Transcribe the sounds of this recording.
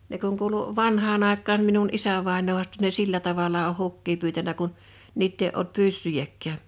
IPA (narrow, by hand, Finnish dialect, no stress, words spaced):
ne kuŋ kuːlu ʋɑnhɑːn ɑˑekːɑːn minun isæʋɑˑenoː huɑsto̥ ne silːæ tɑʋɑlɑ oh hukːiː pyːtænæ kun niːtː eˑi ʔolt pysːyjækːæː